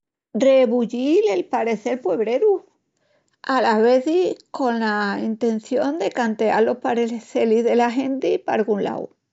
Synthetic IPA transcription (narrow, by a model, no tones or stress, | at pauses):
re̞βuʎilelpaɾe̞θe̞ɾpwe̞βɾe̞ɾu | alaβe̞θiko̞nlaint̪e̞nθjo̞nd̪e̞kant̪ea̰lo̞hpaɾelehθelizðe̞laɦent̪ipa̰ɾɣunla̰w